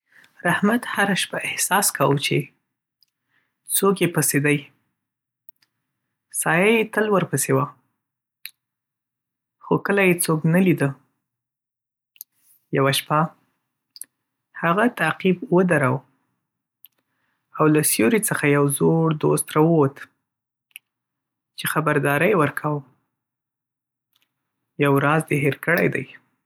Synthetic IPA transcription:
ɾahmat̪haɾaʃpaʔɪhsɑskawət͡ʃe | t͡sokjepased̪aj | sɑjajet̪əlwəɾpəsewa | xokəlajet͡soknalid̪ə | jawaʃpa | haɣat̪aqibwəd̪aɾaw | awlasjoɾit͡səxajawzoɽd̪ost̪ɾɑwəwot̪ | t͡ʃexabaɾd̪ɑɾəjewəɾkʰawə | jawɾɑzd̪eɦeɾkəɽa̰jd̪a̰j

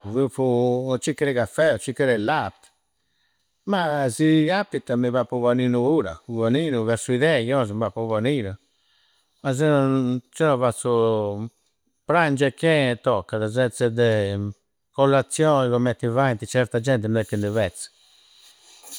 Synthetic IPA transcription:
vuput͡ʃikːɾɛkafɛt͡ʃikːɛɾɛlat̪ | masiapːit̪amiβapːuvaninuuɾa̰uvaninuvɛɾsuiðɛjɔzəmbapɔvaninu | maz̬ɛt͡ʃɛɔvasu | pɾand͡ʒɛkːɛt̪ɔkːaðazɛnsɛd̪ɛ | kɔlːat̪sjɔniɣɔmɛt̪ːivajnt̪it͡ʃɛɾt̪ad͡ʒɛnt̪ɛmɛt̪ːind̪uvɛt̪s

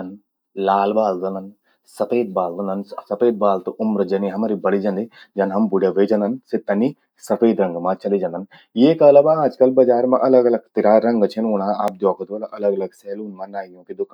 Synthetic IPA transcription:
ɐn | laːlbaːld̪ɐnɐn | sɐpeːd̪̚baːld̪ɐnɐnsɐpeːd̪̚baːlt̪uʔʊmɾɐd͡ʒɐniɦɐmɐɾibɐɽid͡ʒɐnd̪id͡ʒɐnɦɐmbuɽeʋed͡ʒɐnd̪ɐnsit̪ːɐnːi | sɐpeːd̪ɾɐŋɡɐmat͡ʃɐlid͡ʒɐnd̪ɐn | jeːkɐlɐbaaːd͡ʒkɐlbɐd͡ʒaːɾmaʔɐlɐɡɐlɐɡt̪iɾaːɾɐŋɡɐt͡ʃʰinuːnaːaːp̚d̪jɔːkʰɐt̪ʋɐlɐʔɐlɐɡɐlɐɡseːluːnmɐnaːjjõːkid̪ukʰː

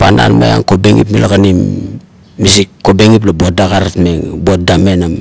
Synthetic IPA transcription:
pana̰lma̰ja̰ŋko̞beŋḭpmilʔakanimː | is̬ikkːo̞beŋip̬labot̚daɡaɾatmeŋbot̚dame̞nam

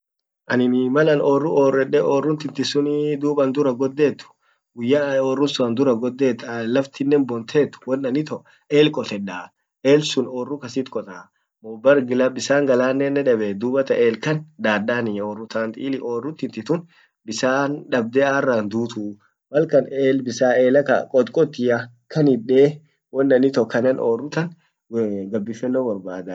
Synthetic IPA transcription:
ʔɐnɪnmɐlɐnoːrʊʔoːrɛɗːɛoːrːʊnt̪ɪnt̪ɪsʊnɪd̪uːbɐnd̪ʊɾɐɡɔd̪ːeːt̪ːʊ̥ | ɡʊjːaːoːrːʊnsʊɐnd̪ʊɾɐɡɔd̪ːeːt̪ːlɐft̪ɪnːɛnbɔnt̪ʰeːt̪ːʊ̥wɐnːɐnɪt̪ɔ | ʔeːlkʼɔt̪ɛᶑaː | ʔeːlsʊnoːrːʊkɐsɪt̪kʼɔt̪ʼaː | mɔbɐɾɡɪlabɪsaːŋɡɐlaːnːɛnːɛᶑɐbɛd̪uːbɐt̪ɐʔeːlkɐnd̪aːdaːnɪoːrːʊt̪aːnt̪ʼḭːlɪʔoːrːʊt̪ːɪnt̪ɪt̪ʊn | bɪsaːnᶑɐb̚d̪ɛarːaːnd̪uːt̪u | mɐlkɐneːlbɪsaːeːlɐkɐ̰kʼɔt̪kʼɔt̪ːɪjɐ | kʰɐnɪᶑeː | wɔnːɐnɪt̪ɔkɐnɐnoːrːʊt̪ɐn | ɡɐbːɪfɛnːoːwɐɾbaːd̪a

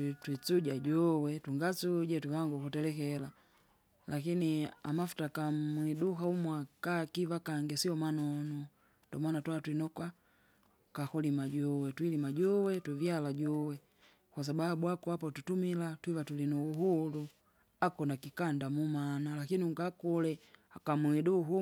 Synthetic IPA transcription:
twit͡suɟaɟɔwɛtuŋɡat͡suɟɛtwivaŋɡukutɛlɛkɛla | lʔakinia̰mafu̥takamwidukaumwakakivakaŋɡɛsiɔmanɔnu | ndɔ̰manatwaatwinɔkwa | kakɔlimaɟɔwɛtwilimaɟɔwɛtuvjalaɟɔwɛ | kwas̬ababuakuapɔtutumilatwivatulinuuɦulu | akɔnakikandamumanalakiniuŋkakulɛakamwiduɦu

